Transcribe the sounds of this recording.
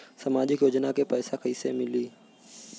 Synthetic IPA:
səmaːd͡ʒɪkjoːd͡ʒnakepɛːsakʰəisemɪliː

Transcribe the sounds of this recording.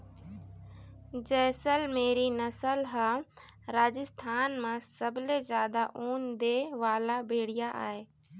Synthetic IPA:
d͡ʒɛːsəlmeːɾinɐsəlɦaː | ɾaːd͡ʒəst̪ʰaːnmãsɐbɪlezjaːd̪aʔoːnd̪eʋaːlabʱeːɽɪjaʔa̰ːɦeː

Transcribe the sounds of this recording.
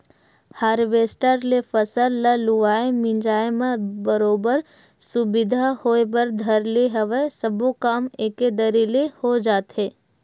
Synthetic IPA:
haːɾʋeːsʈəɾlefəsəlːəlʊʋaːemĩɲd͡ʒaːemẽbəɾoːbəɾ | sʊbɪd̪ʱahoːebəɾd̪ʱəɾleɦəʋəsəbokaːmeked̪əɾilehod͡ʒaːt̪ɦeː

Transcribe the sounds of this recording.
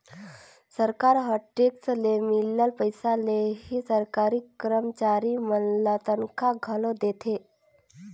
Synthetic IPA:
səɾkaɾɦəʈːekslemilːəlpəjsalehiːsəɾkaɾiːkɾəmt͡ɕaɾimənlat̪ənkʰaɡʱəlod̪et̪ʰe

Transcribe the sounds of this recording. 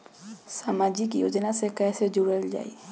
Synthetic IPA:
saːmaːd͡ʒik̬ijo̰ːd͡ʒnasekɛːsed͡ʒuɽəld͡ʒa̰ːḭː

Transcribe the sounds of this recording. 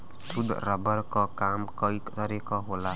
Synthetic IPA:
sud̪̰ɾabɔɾkɔkamkɔikt̪ʌɾikɔɦola

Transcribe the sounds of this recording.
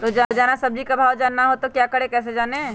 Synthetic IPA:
t̪od͡ʒaːd͡ʒaːnasɐb̚d͡ʒikabʱaːwd͡ʒaːnːaɦot̪okjaːkəɽekɛːs̬ed͡ʒaːneː

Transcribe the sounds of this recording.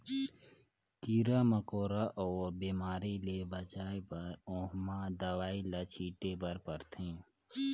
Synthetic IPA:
kiːɾaməkoːɾaʔɔːɾbiːmaːɾilebət͡ʃaːepəɾõːɦmad̪əwaːilat͡ʃʰiːʈebəɾpəɾt̪ʰẽː

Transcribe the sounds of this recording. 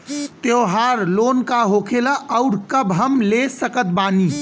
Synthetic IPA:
t̪joɦaːɾloːnkaɦokʰelaʔəuɽkəbɦəmlesəkət̪̚baːni

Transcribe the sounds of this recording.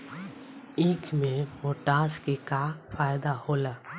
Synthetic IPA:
iːkʰmẽmoːʈaːskekakfaːjd̪ahoːlaː

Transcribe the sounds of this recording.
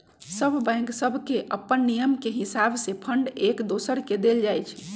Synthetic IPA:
səbʱbɛ̃ŋksəbʱkeʔəpːənːijəmkeɦisabʱsepʰəɳɖekd̪osəɾked̪eld͡ʒajt͡ʃʰ

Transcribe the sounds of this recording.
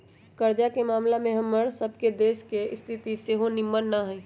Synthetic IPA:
kəɾd͡ʒakemaːmlamẽɦɐmːəɽsəb̚ʱked̪eːʃkeɪst̪ʰɪt̪iseɦonɪmːənːaɦɛ̃

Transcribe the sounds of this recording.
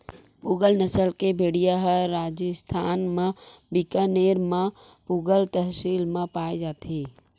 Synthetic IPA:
puɡəlnəsəlkebʱeɽijaɦəɾad͡ʒəst̪ʰaːnmẽbikəneɾmẽ | puɡəlt̪əɦsilmepaid͡ʒaːt̪i

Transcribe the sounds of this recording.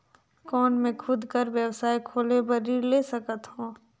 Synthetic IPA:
kɔːnmẽkʰʊd̪ʱkəɾʋjəwsaːikʰoːlebəɾiːɾleːsəkət̪ɦõː

